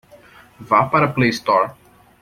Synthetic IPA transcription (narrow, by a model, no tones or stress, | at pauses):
vapaɾɐplejst̪ɔɾ